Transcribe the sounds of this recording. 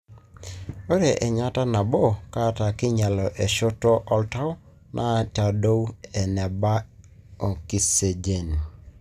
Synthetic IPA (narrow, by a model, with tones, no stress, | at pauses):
o˦ɾe˨ʔɛ˨ɲa˦ta˦na˨bo˦˨ka˦ta˨kɪ˦ɲa˨lɔ˨ʔe˨ʃɔ˦tɔ˦ʔɔ˦lta˦w | nʔa˦t͡ʃa˨do˦wɛ˨nɛ˨ba˦o˨ki˨se˨d͡ʒe˨n˨